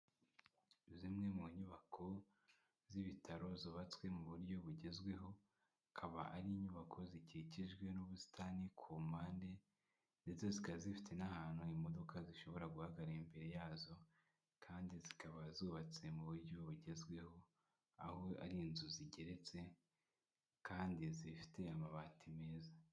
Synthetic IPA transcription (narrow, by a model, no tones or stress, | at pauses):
βzimŋe̞muɲuβakʰo̞ | ziβitʰaɾo̞zoβat͡swe̞muβuɾɟo̞βuɟe̞zɡwe̞ɦo̞ | akʰaβa̰ʔaɾiɲuβakʰo̞ziciiciʒɡwe̞nuβusi̥tʰanikʰumaːnde̞ | nde̞t͡so̞zikazifi̥tʰe̞nahaːn̥huimo̞do̞kaziʃo̞βo̞ɾaɡuhaɡaɾaimbe̞ɾe̞jaːzo̞ | kʰaːndizikaβazuːβat͡se̞muβuɾɟo̞βuɟe̞zɡwe̞ho̞ | a̰hoa̰ɾiːnzuziɟe̞ɾe̞t͡se̞ | kaːndizifi̥te̞amaβaːtʰime̞ːza